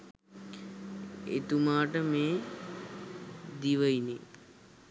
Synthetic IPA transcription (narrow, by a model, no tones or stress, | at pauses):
ḛt̪umaːʈəmeː | d̪iʋəine